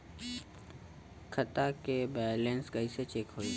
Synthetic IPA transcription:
kʰət̪akebɛːlẽːnskəiset͡ʃeːkɦoiː

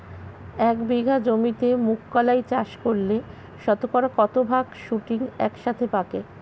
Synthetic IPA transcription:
ɛkbiɡʱad͡ʑomit̪emukːalajt͡ɕaʃkoɾle | ʃɔt̪okɔɾakɔt̪obʱaɡʃuʈiŋɛ̰kʃat̪ʰepake

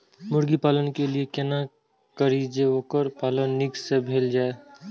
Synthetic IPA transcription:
mʊɾɡipaːlənkeliekena | kəɾid͡ʒeoːkəɾpaːlənːɪɡsebʱeːld͡ʒaːe

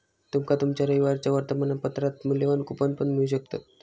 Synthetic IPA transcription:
t̪umkat̪umt͡ɕaɾəiʋaɾt͡ɕjaʋəɾt̪əmanapət̪ɾat̪muljeʋankupənpəɳmiɭuɕ̬əkt̪at̪̚

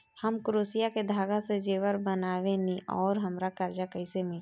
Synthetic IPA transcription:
həmkɾoːsijaked̪ʱaːɡased͡ʒeːwəɾbənaːʋenĩʔɔːɾɦəmɾakəɾd͡ʒakəisemɪ

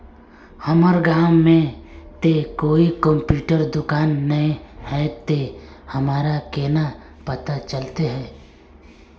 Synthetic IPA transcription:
hɐməɾɡaːmːẽt̪ekoːikə̃mpjuːʈəɾd̪ʊkaːnːɐẽhɛt̪ehɐmaːɾakeːna | pɐt̪at͡ʃəlt̪eɦɛː

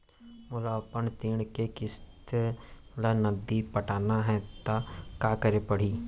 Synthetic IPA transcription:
mʊlaːpənt̪iːɽ̃kekɪst̪e | lənəd̪ipəʈaːnaɦɛt̪akaːkəɾepəɽ̤iː

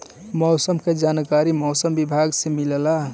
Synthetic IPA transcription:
mɔːsəmked͡ʒankaɾimɔːsəmbibʱaɡsemilla

